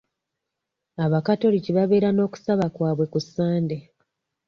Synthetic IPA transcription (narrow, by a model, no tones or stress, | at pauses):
aβakato̞liciβaβe̞ːɾano̞ːku̥saβakwaːβwe̞kusːaːnde